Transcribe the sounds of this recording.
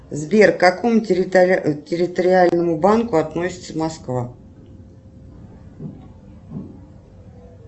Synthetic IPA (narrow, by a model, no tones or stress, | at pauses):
zbʲerkɐko̞mʊ | tʲɪɾʲɪt̪əɾʲɪalʲnəmʊbankʊɐt̪nosʲɪ̥t̪səmɐskva